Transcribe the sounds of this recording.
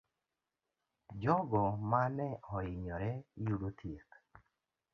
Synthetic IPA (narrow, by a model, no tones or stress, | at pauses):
d͡ʒɔɡɔmanɛɔɪɲɔɾɛjuɽot̪ʰjek